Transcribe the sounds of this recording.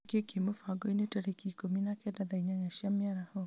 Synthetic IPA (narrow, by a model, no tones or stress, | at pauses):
kekemofaɡɔinetɛɾekikominakɛdaðaiɲaɲaʃamiaɾahɔ